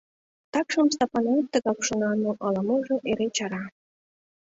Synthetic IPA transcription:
t̪ɑkʃɤ̆ms̬t̪ɑpɑnɑt̪ə̆ɣɑkʃɤ̆nɑnoʔɤlɤ̆mɤʒĕʔeɾet͡ɕɑɾɑ

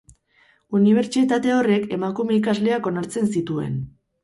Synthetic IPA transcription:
uniβ̞e̞ɾt͡sit̪at̪e̞o̞re̞ke̞makume̞ikazle̞ako̞naɾt͡se̞nsit̪ue̞̰n

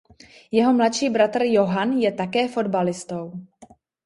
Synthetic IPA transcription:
jɛɦo̞mlatʃiːbɾat̪r̩jo̞ɦanjɛt̪akɛːfo̞dbalɪst̪o̞w

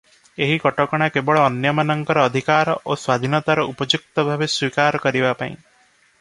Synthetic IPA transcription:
eɦikɔʈɔkɔɽ̃akebɔɭɔːnjɔmanɔŋkɔɾɔːd̪ʱikaɾɔʔoswad̪ʱinɔt̪aɾɔupɔd͡ʒuk̚t̪ɔbʱabeswikaɾɔkɔɾibapaĩ

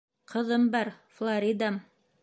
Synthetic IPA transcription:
qʰɤ̆ðɤmbɑɾflˠaɾʲid̪am

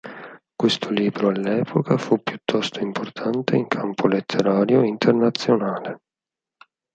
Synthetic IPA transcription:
kwest̪ʰoliːbɾoalːɛːpʰokafupːjut̪ʰːɔst̪oimpʰort̪ʰant̪eiŋkʰampʰolet̪ʰːeɾaːɾjoint̪ernat̪sːjonaːle

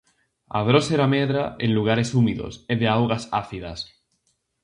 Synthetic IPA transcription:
a̰ðɾoseɾameðɾaenluɣ̞aɾe̞sumiðo̰seðeawɣasa̰θiðas

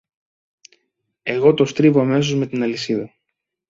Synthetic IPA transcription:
e̞ɣo̞t̪o̞st̪ɾivo̞ɐme̞so̞zme̞t̪inɐlisiðɐ

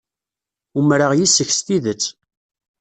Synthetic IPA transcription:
umɾəʁjisəçsθiðət͡sː

